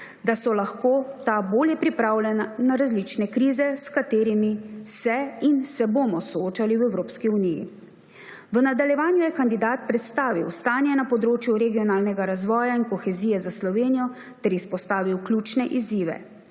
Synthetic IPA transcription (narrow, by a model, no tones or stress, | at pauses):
d̪asɔlaxkoːt̪aboːljɛpɾipɾaːwlɛnːaɾazlit͡ʃnɛkɾiːzɛskat̪eːɾimisɛinsɛboːmɔsɔoːt͡ʃaliwɛwɾoːpskiunijḭ | ʋənad̪aljɛʋaːnjujɛkand̪id̪aːt̪̚pɾɛt̪st̪aːʋḭwst̪aːnjɛnapɔd̪ɾoːt͡ʃjuɾɛɡiɔnaːlnɛɡaɾazʋɔːjainkɔxɛziːjɛzaslɔʋeːnijɔ | t̪ɛɾispɔst̪aːʋiwklʲut͡ʃnɛʔiziːʋɛ̰